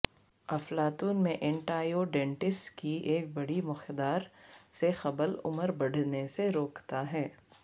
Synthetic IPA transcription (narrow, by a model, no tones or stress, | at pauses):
ɐflaːt̪uːnmẽʔɛ̃ɳʈaːjoɖẽːɳʈɪsʈkieːk̚bɐɽimʊxd̪aːɾsexɐbəlʊ̰məɾbɐɽ̤neseɾoːkt̪aɦɛː